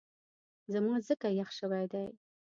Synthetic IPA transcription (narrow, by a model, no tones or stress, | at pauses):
zamɑzəkajaχʃawajd̪aj